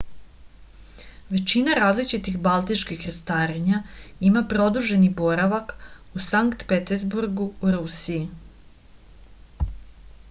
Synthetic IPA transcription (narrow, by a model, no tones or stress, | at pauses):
ʋe̞t͡ɕinaɾaːzlit͡ʃit̪ixbalˠt̪it͡ʃkixɾast̪aːɾeɲaimapɾo̞d̪uʒe̞nibo̞ɾaʋak | usaŋkt̪pet̪ezbuɾɡuɾusiji